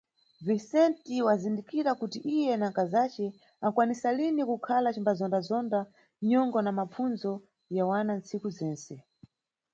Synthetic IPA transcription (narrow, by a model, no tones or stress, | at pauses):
visɛntiwazindikiɾakutiʔijɛnaŋkazat͡ʃɛ | akwanisalinikukʰalat͡ʃimbazɔndazɔnda | ɲɔŋɡɔnamap͡funzɔ | jawanant͡sikuzɛːnsɛ